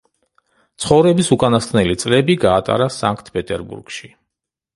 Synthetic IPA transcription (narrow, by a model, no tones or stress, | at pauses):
t̪sʰχɔvɾɛbisukʼanast̪ʼnɛlit̪sʼlɛbiɡaːt̪ʼa̰ɾasaŋkʰt̪ʰpʼɛt̪ʼɛɾbṵɾɡ̥ʃi